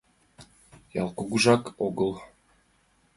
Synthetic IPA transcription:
jɑ̰lˠkuɡuʒɑkoɡəlˠ

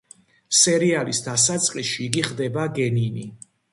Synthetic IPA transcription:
sɛɾialisd̪asat̪sʼqʼiʃiːɡiχd̪ɛbaɡɛnini

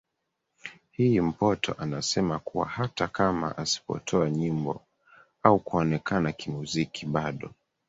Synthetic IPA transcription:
him̩pɔtʰɔ̰ʔanasɛmakuwa̰hatakama̰ʔasi̥pɔ̰tʰɔaɲimbɔ̰ | aukuɔnɛkanakimuzikʰiɓaɗɔ

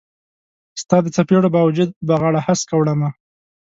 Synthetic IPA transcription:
st̪ɑd̪ət͡sapeɽobɑwad͡ʒʊd̪̚baɣɑɽahaskawɽama

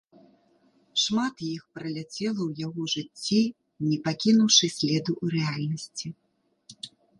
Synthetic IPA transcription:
ʂmat̪jixpɾɐlʲat͡sʲɛlˠɐwjaɣɔʐɨt͡sʲːi | nʲɛpakʲinuwʂɨsʲlʲɛd̪uʔːɾɛalʲnɐsʲt͡sʲi

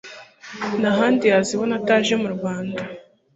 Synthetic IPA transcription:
naɦaːndijaziβonataːʒe̞muɾuβaːnda

